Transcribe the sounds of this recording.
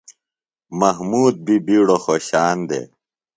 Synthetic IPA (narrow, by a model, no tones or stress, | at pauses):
mɐɦmuːd̪̚bibiːɽoxoːɕaːnd̪ḛː